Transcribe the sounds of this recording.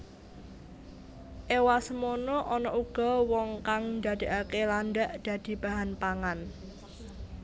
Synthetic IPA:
ʔewasəmonɔʔɔnɔʔuɡ̥ɔ̤wɔŋkaŋnd̪ä̤d̪̥e̤ʔakelanɖaʔd̪̥ä̤d̪̥i̤b̥a̤ɦanpaŋan

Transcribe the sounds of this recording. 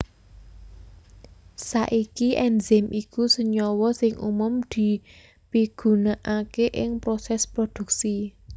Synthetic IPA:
saʔikiʔɛnzɛmʔikusəɲɔwɔsɪŋṵmʊmd̪̥i̤ | piɡ̥ṳnaʔakeʔɪŋpɾosɛspɾod̪̥ṳk̚si

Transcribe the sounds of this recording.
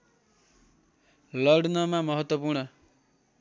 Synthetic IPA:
lʌɽnʌmamʌɦʌt̪wʌpuɾɳnʌ

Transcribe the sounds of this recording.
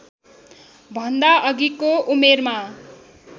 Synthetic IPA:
bʱʌnd̪aʔʌɡikoʔumerma

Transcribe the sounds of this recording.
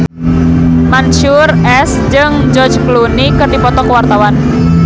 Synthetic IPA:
manʃʊrɛs | d͡ʒɨŋ | d͡ʒɔrd͡ʒklunikɨrɖ̥ipɔt̪ɔkəwart̪awan

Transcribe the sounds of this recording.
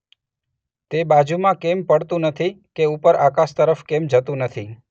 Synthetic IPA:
t̪ebad͡ʒumãkempəɽt̪ũnət̪ʰikeupəɾakaʃt̪əɾəfkemd͡ʒət̪ũnət̪ʰi

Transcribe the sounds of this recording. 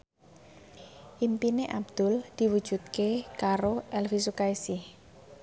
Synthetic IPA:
ʔimpineʔab̚d̪̥ʊ̤ld̪̥i̤wu̥ʒ̥ṳt̪̚kekaɾoɛlfisukaisɪh

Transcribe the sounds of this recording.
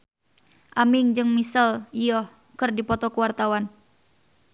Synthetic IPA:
ʔamiŋd͡ʒɨŋmisəliɔh | kɨrdipɔt̪ɔkuwart̪awan

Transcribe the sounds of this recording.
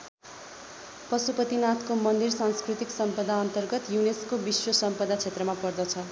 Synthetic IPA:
pʌsupʌt̪inat̪komʌnd̪irsanskrut̪iksʌmpʌd̪ʱaʌnt̪ʌrɡʌt̪juneskobiswʌsʌmpʌd̪at͡sʰet̪rʌmapʌrd̪ʌt͡sʰʌ

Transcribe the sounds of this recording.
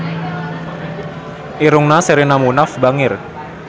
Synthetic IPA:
ʔiɾʊŋnaseɾenamunafbaŋɪr

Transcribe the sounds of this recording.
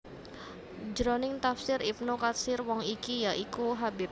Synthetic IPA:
d͡ʒɾɔnɪŋt̪afsɪɾip̚nokat̪sɪrwɔŋikijaʔikuɦabɪp̚

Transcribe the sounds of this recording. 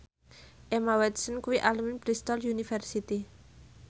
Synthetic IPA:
ʔemawɛt̪sənkuwiʔaluminpɾist̪ɔljunifɛrsit̪i

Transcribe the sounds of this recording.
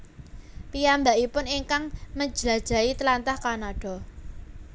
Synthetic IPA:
pijambaʔipʊniŋkaŋməd͡ʒəlad̥ʒ̥a̤it̪əlant̪ahkanaɖ̥ɔ̤

